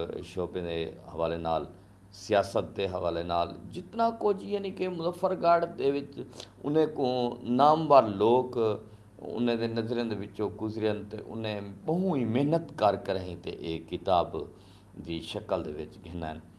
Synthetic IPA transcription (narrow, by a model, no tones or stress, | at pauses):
ʃoːbẽːd̪eːhəʋaːleːna̰ːl | sɪjaːsət̪̚d̪eːɦəʋaːleːnaːld͡ʒɪt̪naːkoːd͡ʒiːenĩːkemʊzəfʰːəɾɡaːɽd̪eːʋɪt͡ʃ | ʊ̰nẽːkõːnaːmbaːɾloːk | ʊ̰nẽːd̪eːnəzɾjãːd̪eːʋɪt͡ʃõːɡʊzɾjənt̪ḛːʔʊ̰nẽːɓəɦũːiːmeːnət̪kəɾkəɾaːĩːt̪ḛːʔeːkɪt̪aːb | d̪iːʃəkəld̪ḛːʋɪt͡ʃɡɪːna̰ːn